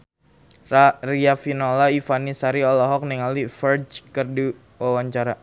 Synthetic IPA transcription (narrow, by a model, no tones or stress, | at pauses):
rariafinɔlaifanisaɾiɔlɔɦɔk̚niŋalifərd͡ʒkərdi | wawaɲt͡ʃaɾa